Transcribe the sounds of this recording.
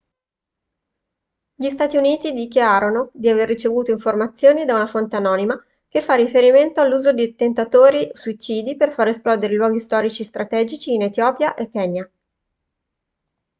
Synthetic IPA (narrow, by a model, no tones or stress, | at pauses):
ʎist̪aːt̪iuniːt̪id̪ikjaːɾonod̪iaverːit͡ʃevuːt̪oiɱformat̪sːjoːnid̪aunafont̪eanɔːnima | kefːarːifeɾiment̪oalːuːzod̪it̪ent̪at̪oːɾisuit͡ʃiːd̪iperfaɾesplɔːd̪eɾelwɔːɡist̪ɔːɾit͡ʃist̪ɾat̪ɛːd͡ʒit͡ʃiːnet̪jɔːpjaʔekːɛːnja